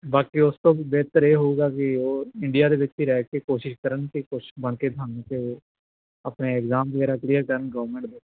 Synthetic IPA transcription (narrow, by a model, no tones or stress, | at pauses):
baːkiʊst̪õːbɛːt̪əɾeːɦoɡaːkioːɪɳɖijaːd̪eːʋɪt͡ʃbiːɾɛːkekoːʃɪʃkəɾənkikʊt͡ʃʰbəɳked̪ʰʱãːnke | əpneːɛkzaːmʋəɡɛːɾaːklijəɾkəɾənɡəːʋəɾmẽɳʈb̪ɪ